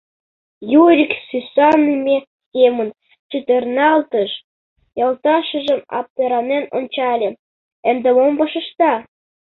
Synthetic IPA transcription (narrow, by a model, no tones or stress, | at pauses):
juɾʲiksysɑnːimʲe | kʲemən | t͡ɕyt̪ĕrnɑlt̪əʃ | jɑlt̪ɑʃə̆ʒə̆mɑ̰p̚t̪eɾɑneno̰nt͡ɕɑlʲĕ | ɘ̆nd̪ĕmomvɑʃə̆ʃt̪ɑ